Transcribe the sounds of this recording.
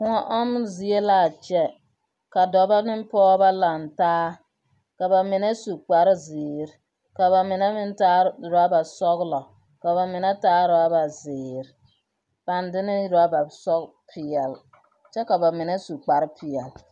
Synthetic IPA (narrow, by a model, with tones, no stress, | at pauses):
kʊ˦ŋa˦ʔɔ˦mzi˨e˦laː˦˨t͡ʃɛ˦ | ka˨dɔ˨ba˦nɪ˦m˦pɔː˦ba˦la˨ntaː˦ | ka˨ba˨mɪ˨nɛ˦su˨k͡pa˨ɾɪ˦zɪː˨ɾɪ˨ | ka˨ba˨mɪ˨nɛ˦mɪ˦nta˦˨ɾa˦ba˨sɔ˦ɣlɔ˨ | ka˨ba˨mɪ˨nɛ˦taː˦ɾʊ˨a˦ba˨zɪː˨ɾ | b̥a˨ndɪ˦nɪ˦ɾa˦ba˨sɔ˦ɡ | pʰɪ˨ɛ˨l | t͡ʃɛ˦ka˨ba˨mɪ˨nɛ˦su˨k͡pa˨ɾɪ˦pʰɪ˨ɛ˨l